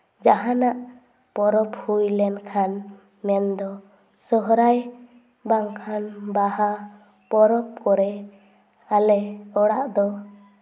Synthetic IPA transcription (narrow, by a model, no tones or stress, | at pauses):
d͡ʒaɦanaʔ | pɔɾɔphujlɛnkʰan | mɛnd̪ɔ | sɔɦɾaj | baŋkʰanbaha | pɔɾɔp̚kɔɾɛ | alɛɔɽaʔd̪ɔ